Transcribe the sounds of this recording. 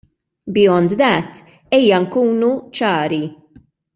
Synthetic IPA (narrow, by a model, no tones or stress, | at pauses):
bɪɔnd̪d̪ɐːt̪ː | ɛːjːɐŋkuːnut͡ʃɐːɾi